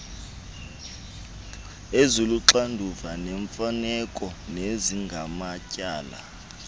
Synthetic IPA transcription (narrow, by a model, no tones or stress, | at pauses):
ezuluǁandʱuvanɛɱfanɛkʼɔneziŋɡʱamacʼaːla̰